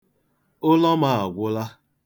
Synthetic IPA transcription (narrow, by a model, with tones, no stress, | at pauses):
ʊ˦lɔ˦ma˨a˨ɡʷʊ˦la˦